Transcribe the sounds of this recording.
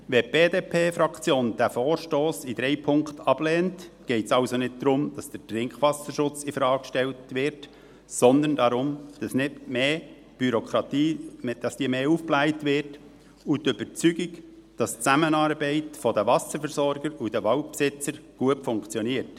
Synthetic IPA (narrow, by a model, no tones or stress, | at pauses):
ʋɛb̥eːdeːpʰeːfɾɑkt͡sjoːnd̥æfoːɾʃtoːsid̥̪ɾɛɪpʰʊŋktʰɑb̥lɛːntɡ̥ɛɪtsɑʊsonɪt̚d̥̪ɾʊmd̥ɑsd̥ətɾɪŋkχʋɑsəʃʊt͡sɪfɾɑːkkʃtɛltʋɪɾt | sɔnd̪əndɑɾʊmd̥ɑsnɪtmeː | b̥yɾɔkʰɾɑt̪iːd̥ɑsd̥iːmeːuːfplæɪtʋɪɾt | utʏb̥əɾt͡syɡɪk | d̥ɑst͡sæmənɑːɾbɛɪtfɔdəʋɑsəɾfɛɾsɔɾɡ̥əɾud̥əʋɑʊtpsɪt͡səɾɡ̥uətfʊŋkt͡sjɔniəɾt